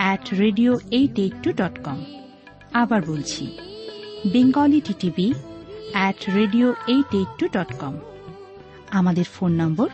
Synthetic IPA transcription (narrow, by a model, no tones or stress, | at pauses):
ɛʈɾeɖioejʈeʈːuɖɔʈkɔm | abaɾbolt͡ɕʰḭ | beŋɡaliʈiʈibi | ɛʈɾeɖioejʈeʈːuɖɔʈkɔm | amad̪eɾfonːɔmboɾ